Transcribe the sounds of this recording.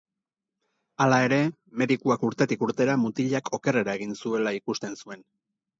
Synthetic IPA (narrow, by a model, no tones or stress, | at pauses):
alae̞ɾe̞ | me̞ðikuakuɾt̪e̞t̪ikuɾt̪e̞ɾamut̪iʎakʰo̞ke̞re̞ɾaeɣ̞insue̞laikust̪e̞nsue̞n